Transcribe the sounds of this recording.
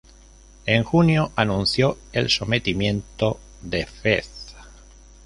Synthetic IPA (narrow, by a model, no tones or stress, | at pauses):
eŋxunjoʔanũnθjo | elsomet̪imjẽnt̪o | ðefeθ